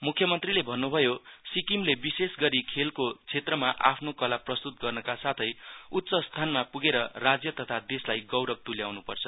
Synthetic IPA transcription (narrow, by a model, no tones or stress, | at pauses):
mukʰjʌmʌnt̪rilebʱʌnːubʱʌjosikimlebisesɡʌɾikʰelkot͡sʰet̪rʌmaʔa̰pʰnokʌlaprʌst̪ut̪̚ɡʌrnʌkasat̪ʰʌjut̪ːsʌst̪ʰanmapuɡeɾʌrad͡zjʌt̪ʌt̪ʰad̪eslajɡʌwɾʌb̚t̪uljawnupʌrt͡sʰʌ